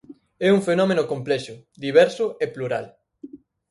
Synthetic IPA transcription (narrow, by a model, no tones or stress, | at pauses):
ɛuŋfenɔmenʊkomplɛʃʊd̪iβɛɾsʊepluɾal